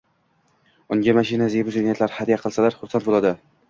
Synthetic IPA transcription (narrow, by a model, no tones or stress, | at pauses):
ʊŋɡʲamaʃinazebʊzenijat̪laɾhad̪ijaqʰɨlˠsalaɾχʊɾsant̪̚bolˠad̪ɪ